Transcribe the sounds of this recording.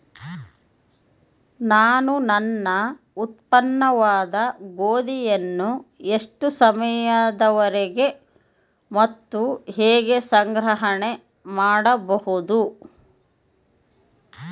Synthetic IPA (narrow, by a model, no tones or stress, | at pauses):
naːnunɐnːɐ | ut̪̚pɐnːɐʋaːd̪ɐɡoːd̪ijɐnːue̞ʂʈusɐmɐjad̪ɐʋɐɾeɡe̞ | mɐt̪ːuɦeːɡe̞sɐŋɡɾɐɦɐɳe | maːɽɐbɐhud̪u